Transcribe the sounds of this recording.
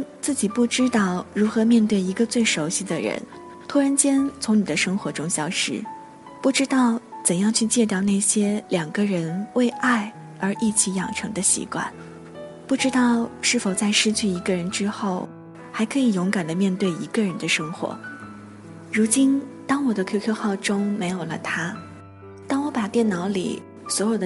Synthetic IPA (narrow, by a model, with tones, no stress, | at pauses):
t͡sɹ̩˥˩t͡ɕi˨˩pu˥˩ʈ͡ʂɻ̩˥t̪ɑ˥˩ʊɻu˧˥xɤ˧˥mjɛ˥˧nt̪we˥˩ɪi˧˥ɡə˧t͡swe˥˩ɪʂo˧˥ʊɕi˥d̪ə˩ɻə̰˧˥n | t̪ʰu˥ɻa˧˥nt͡ɕjɛ˥nt͡sʰʊ˧˥ŋni˨˩d̪ə˦ʂɤ˥ŋxwɔ˧˥ʈ͡ʂʊ˥ŋɕjɑ˥ʊʂɻ̩̰˥˩ | pu˥˩ʈ͡ʂɻ̩˥t̪ɑ˥˩ʊt͡sə˨˩njɑ˥˧ŋt͡ɕʰy˥˧t͡ɕjɛ˥˧t̪̬jɑ˥˧ʊna˥˩ɪɕjɛ˥ljɑ˨˩ŋɡə˦ɻə˧˥nwe˥˧ɪʔa˥˩ɪ | ə˞˧˥ʔi˥˩t͡ɕʰi˧˥jɑ˨˩ŋʈ͡ʂʰɤ˧˥ŋd̪ə˧ɕḭ˧˥kwa̰˥˩n | pu˥˩ʈ͡ʂɻ̩˥t̪ɑ˥˧ʊʂɻ̩˥˩fo˨˩ʊt͡sa˥˧ɪʂɻ̩˥˧t͡ɕʰy˥˩i˧˥ɡə˧ɻə˧˥nʈ͡ʂɻ̩˥xo˥˩ʊ | xa˧˥ɪkʰɤ˧˥i˨˩jʊ˧˥ŋka˨˩nd̪ə˦mjɛ˥˧nt̪we˥˩ɪi˧˥ɡə˧ɻə˧˥nd̪ə˧ʂɤ˥ŋxwɔ̰˧˥ | ɻu˧˥t͡ɕi˥nt̪ɑ˥ŋwɔ˨˩d̪ə˦kʰkʰɤ˥˧xɑ˥˩ʊʈ͡ʂʊ˥ŋme˧˥ɪjo˨˩lə˦t̪ʰa˥ | t̪ɑ˥ŋwɔ˧˥pa˨˩t̪jɛ˥˩nnɑ˧˥ʊlḭ˨˩ | swɔ˧˥jo˨˩ʊd̪ə˦